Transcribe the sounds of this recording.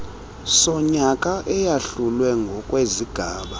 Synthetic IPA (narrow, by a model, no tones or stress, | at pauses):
sɔɲakʼaʔɛjaɬulwɛŋɡʱɔkʼweziɡ̥ʱaːɓa